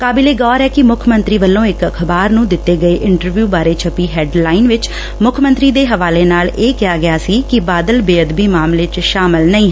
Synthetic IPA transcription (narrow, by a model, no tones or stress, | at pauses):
kaːbɪleːɡɔːɾɛːkɪmʊkʰmənt̪ɾiːʋəlːõːɪkəkʰbaːɾnũːd̪ɪt̪ːeːɡəeːʔɪɳʈəɾʋjuːbaːɾeːt͡ʃʰəpiːɦɛːɖlaːɪnʋɪt͡ʃ | mʊkʰmə̃nt̪ɾiːd̪eːɦəʋaːleːnaːleːkɪjaːɡɪjaːsiːkɪbaːd̪əlbeːəd̪biːmaːmleːt͡ʃʃaːmɪlnəĩːɦ